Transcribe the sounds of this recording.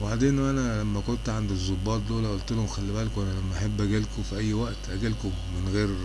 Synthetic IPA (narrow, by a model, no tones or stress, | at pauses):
baʕd̪eːnʔænælæmːækont̪ʕand̪izːobːɑːt̪̚ˤloːlæʔolt̪elhomxælːibælkoʔænælæmːæʔaħebːʔæɡælkofiʔæjːwæʔt̪ʔæɡælko | menɣeːɾ